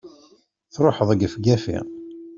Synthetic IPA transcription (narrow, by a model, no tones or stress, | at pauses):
θɾˤoħəðˤəɡəfɡæfḭʁ